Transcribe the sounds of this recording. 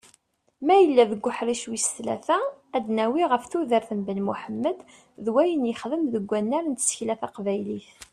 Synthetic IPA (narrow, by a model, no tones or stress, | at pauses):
mæjəlːæðəɡʷːʊħɾiʃwist̪læ̰θææd̪næwiʁəfθuðəɾθəmbənmuħəmːəd̪ | ðwæjənjəχðəmðəɡʷːænːæɾnt̪sə̥çlæθæqvæjliθ